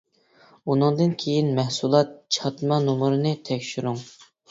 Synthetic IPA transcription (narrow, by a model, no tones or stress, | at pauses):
unɨŋd̪ɨnkʲʰejinmɛhsulˠɑt̪̚t͡ʃʰɑt̪mɑnumʊɾɨnɨt̪ʰɛkʲʃyɾuŋ